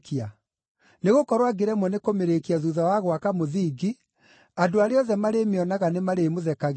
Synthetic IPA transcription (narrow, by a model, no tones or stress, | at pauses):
kia | neɣokɔɾwaɡeɾɛmwɔnekomeɾekiaðuðawaɣwakamoðiːɡi | adoaɾeɔðɛmaɾemeɔnaɣanemaɾemoðɛkaɣ